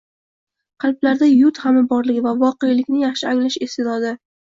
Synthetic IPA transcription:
qʰɑlˠblaɾd̪ajʊt̪hamɪbɒɾlɪɡʲɪvavɒqejlɪkʲnɪjaχʃɪaŋʲlaʃɪst̪ed̪ɒd̪ɪ

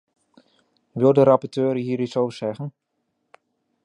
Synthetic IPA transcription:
ʋɪlˠdəɾɑpɔɹtøːɾɦiːɾitsowvəɹsɛχən

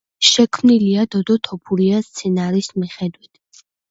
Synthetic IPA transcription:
ʃɛkʰmniliad̪ɔd̪ɔt̪ʰɔpʰuɾiast̪sʰɛnaɾismiχɛd̪wit̪ʰ

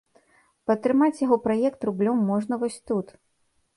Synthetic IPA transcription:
pɐt̪ːɾɨmat͡sʲjaɣɔpɾajɛkt̪rublʲɔmːɔʐnɐvɔsʲt̪ut̪

